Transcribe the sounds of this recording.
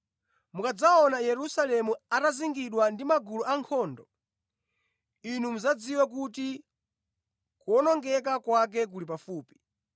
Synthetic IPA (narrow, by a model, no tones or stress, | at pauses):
mukad͡zaɔnajɛɾusalɛmuataziŋɡiɗwandimaɡuluaŋkʰɔːndɔ | inumuzad͡ziwak̬uti | kuɔnɔŋɡɛk̬akwak̬ɛk̬ulip̬afuːpi̥